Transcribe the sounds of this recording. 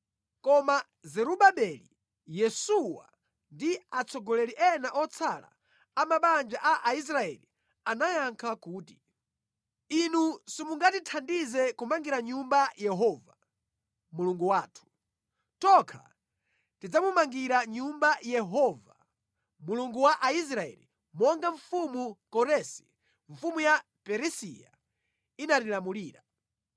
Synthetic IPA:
kɔma | zɛɾuɓaɓɛlḭ | jɛsuwa̰ | ndiat͡sʰɔɡɔlɛliʔɛnaʔɔt͡sʰala̰ː | maɓand͡ʒaʔaʔais̬ɾaɛ̰li | anajaŋkʰakuːti̥ | inusimuŋɡatitʰandizɛkumaŋɡiɾaɲumbajɛɦɔva | muluŋɡuwaːtʰu̥ | tɔkʰa̰ | tid͡zamumaŋɡiɾaɲumbajɛɦɔva | muluŋɡuwaʔais̬ɾaɛ̰li | mɔŋɡaɱfumukɔɾɛsi̥ | ɱ̩fumuja | pɛɾɛsija̰ | inatilamuliːɾa

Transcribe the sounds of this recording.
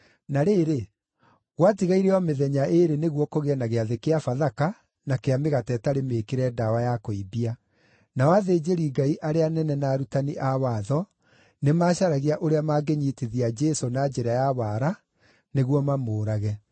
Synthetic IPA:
naɾeːɾe | ɣwatiɣaiɾeɔmeðɛɲaeɾeneɣwɔkoɣeɛnaɣeaðekeafaðaka | nakeameɣatɛtaɾemekeɾɛdawajakoibia | nawaðed͡ʑeɾiɡaiʔaɾeanɛnɛnaːɾutaniʔawaðɔ | nemaːɕaɾaɣiaʔoɾeamaɡeɲiteðiad͡ʒɛsonad͡ʒɛɾajaβaɾa | neɣwɔmamoːɾaɣɛ

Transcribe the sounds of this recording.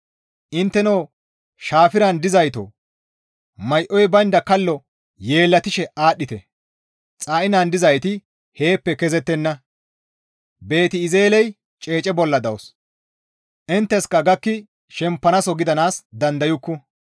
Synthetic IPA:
ʔɪnt̪ːɛnoː | ʃaːfɪɾɐnd̪ɪzɐjt̪o̰ | mɐjʔɔjbɐnd̪ɐkɐlːɔ | je̞ːlːɐt̪ɪʃɛʔaːɗːɪt̪ɛ | t͡sʼaːʔɪnand̪ɪzɐjt̪ɪ | he̞ːpːɛkɛzɛt̪ːɛnːɐ | be̞ːt̪ɪːzeːlɛj | t͡ʃʼeːt͡ʃʼɛbɔlːɐd̪ɐwɔs | ʔɪnt̪ːɛskɐɡɐkːɪ | ʃɛmpːɐnɐsɔɡɪd̪ɐnaːsd̪ɐnd̪ɐjʊkːʊ

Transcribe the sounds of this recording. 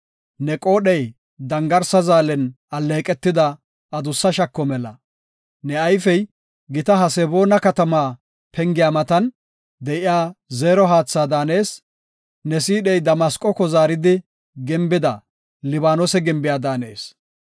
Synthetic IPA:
nɛkʼo̞ːɗɛj | d̪ɐŋɡɐɾsɐzaːlɛn | ɐlːe̞ːkʼɛt̪ːɪd̪ɐ | ɐd̪ʊsːɐʃɐkːɔmɛlɐ̰ | nɛɐjfɛj | ɡɪt̪ɐɦɐsɛbo̞ːnɐkɐt̪ɐmaː | pʰɛŋɡɪjaːmɐt̪ɐn | d̪ɛʔɪjaːzeːɾɔɦaːt͡sːaːd̪aːne̞ːs | nɛsiːɗɛjd̪ɐmɐskʼɔkɔzaːɾɪd̪ɪ | ɡɛmbɪd̪ɐ | lɪβaːnoːsɛɡɪmbɪjaːd̪aːne̞̰ːs

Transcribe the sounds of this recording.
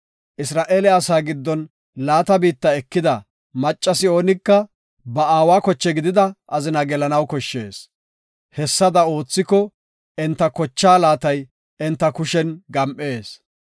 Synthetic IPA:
ʔɪsɾaːʔeːlɛɐsaːɡɪd̪ːɔn | laːt̪ɐbiːt̪ːɐɛkːɪd̪ɐ | mɐt͡ʃʼːɐsɪo̞ːnɪkːɐ | bɐaːwaːkɔt͡ʃːɛɡɪd̪ɪd̪ɐʔɐzɪnɐɡɛlɐnɐwkɔʃːe̞̰ːs | hɛsːɐd̪ɐo̞ːt͡sːɪkɔ | ɛnt̪ːɐkɔt͡ʃːaːlaːt̪ɐj | ɛnt̪ːɐkʊʃɛnɡɐmʔe̞ːs

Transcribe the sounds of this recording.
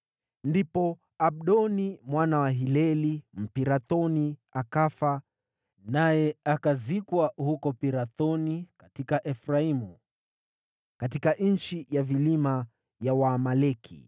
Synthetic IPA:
ndipɔ | aɓ̚ɗɔnimwanawaɦilɛlim̩piɾaθɔniakafa | najɛakazikwahukɔpiɾaθɔnikatikaʔɛfɾaimu | katikaʔn̩t͡ʃijavilima | jawaːmalɛkʰḭ

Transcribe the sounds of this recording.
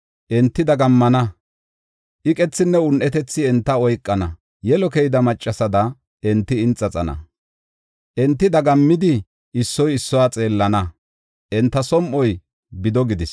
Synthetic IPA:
ʔɛnt̪ːɪd̪ɐɡɐmːɐnɐ | ʔɪkʼɛt͡sːɪnːɛʊnʔɛt̪ɛt͡sːɪɛnt̪ːɐɔjkʼːɐnɐ | jɛlɔkɛjɪd̪ɐmɐt͡ʃʼːɐsɐd̪ɐ | ɛnt̪ːɪɪnt͡sʼːɐt͡sʼɐnɐ̰ | ʔɛnt̪ːɪd̪ɐɡɐmːɪd̪ɪ | ʔɪsːɔjɪsːɔwaːt͡sʼe̞ːlːɐnɐ | ʔɛnt̪ːɐsɔmʔɔj | bɪd̪ɔɡɪd̪ɪs

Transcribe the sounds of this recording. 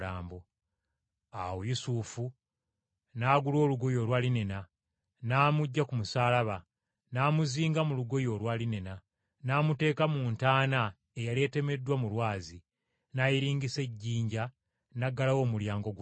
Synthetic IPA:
aːmbo | a̰wojusufu | naːɡulo̞ːluɡo̞jo̞ːlwaːlinena | naːmuɟːakumusaːlaβa | naːmuziːŋɡamuluɡo̞jo̞ːlwaːlinena | naːmute̞ːkamuːntaːna | ejalie̞te̞me̞dːwamulwaːzi | najiɾiːŋɡise̞ɟːiːɲɟa | naɡːalawo̞ːmuljaːŋɡo̞ɡ

